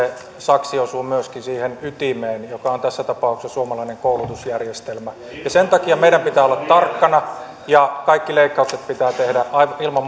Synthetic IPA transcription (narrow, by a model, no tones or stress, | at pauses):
e | sɑksiosuːmyøskinsiːhenyt̪imeːnjokɑont̪æsːæt̪ɑpɑˑuksɑsuomɑlɑineŋkoulut̪usjærjest̪elmæ | jɑsent̪ɑkiɑmeiɾæmpit̪æːolːɑt̪t̪ɑrkːɑnɑ | jɑkɑikːileikːɑukset̪̚pit̪æːt̪ehdæɑiʋilmɑm